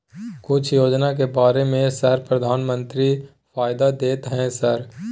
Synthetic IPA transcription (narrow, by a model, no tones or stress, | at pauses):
kʊt͡ʃʰjoːd͡ʒnak̬ebaːɾemẽsɐɾpɾɐd̪ʱaːnmə̃nt̪ɾi | faːjd̪ad̪eːt̪ɦɛ̃sɐɾ